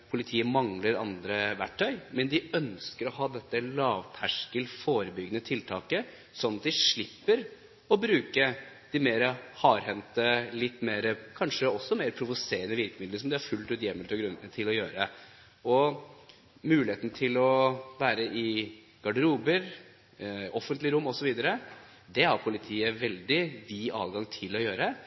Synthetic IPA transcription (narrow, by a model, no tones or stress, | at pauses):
pʰʊlɪt̪ʰiːəmɑŋləɾɑ̰nd̪ɾəʋæʈʰːœʏmɛnd̪ɪœnskəɾɔhɑːd̪ɛt̪ːəlɑːʋt̪ʰæʂkəlfoːɾəbʏɡnət̪ʰɪlt̪ʰɑːkə | sɔnːɑt̪̚d̪ɪʂɭɪpːəɾ | ɔbɾʉːkə | d̪̥ɪmeːɾəhɑːɾhɛnt̪əlɪt̪ːmeːɾəkʰɑnʂəɔsːɔmeːɾpʰɾʊʋʊseːɾənəʋɪɾkəmɪd̪ləsɔmd̪ɛæɾfʉlt̪ʉːt̪jɛmːəlt̪ɔɡɾʉnət̪ʰɪlɔjøːɾə | ɔ | mʉːlɪeːt̪n̩t̪ʰɪlɔʋæːɾəʔɪ | ɡ̥ɑɖəɾuːbəɾ | ɔfənt̪lɪɾʊmːɔsɔʋiːd̪əɾə | d̪ɛhɑɾpʰʊlɪt̪ʰiːəʋɛld̪ɪʋiːʔɑ̰ːʋɡɑŋt̪ʰɪlːɔjøːɾə